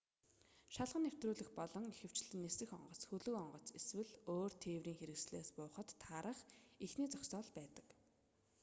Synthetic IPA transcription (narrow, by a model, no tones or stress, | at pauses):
ʃaɮʁə̆nːew̥t̪ruːɮɘ̆xpɔɮɞ̆ŋixɘ̆w̥t͡ɕɮɘ̆nːesɘ̆xɔ̰ɴɢɞ̆t͡sxɵɮɵ̆kɔɴɢɞ̆t͡seswɘ̆ɮoːrt̪ʰeːwɾiːŋxeɾɘ̆ksɮeːspʊːχə̆t̪ʰːaːɾə̆χixniːt͡sɔksɔːɮpæːt̪ə̥̆k